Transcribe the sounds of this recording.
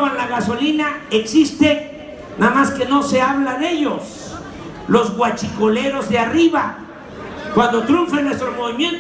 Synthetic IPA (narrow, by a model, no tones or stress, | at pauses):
βanlaɣaso̞linaeksist̪e | naðmaske̞no̞se̞aβlane̞ʝos | lo̞zɣwat͡ʃiko̞le̞ɾo̞zðeariβa | kwand̪o̞t̪ɾuɱfenːwe̞st̪ɾomo̞βimje̞nt̪